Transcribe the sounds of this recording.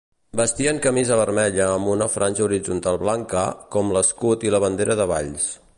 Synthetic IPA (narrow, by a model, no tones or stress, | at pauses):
bəst̪iəŋkəmizəβ̞əɾmɛʎəːmbunəfɾʔanʲʒəuɾid͡zunt̪alˠβlaŋkə̰kɔmləskut̪iləβ̞ənd̪eɾəðəβa̰ʎs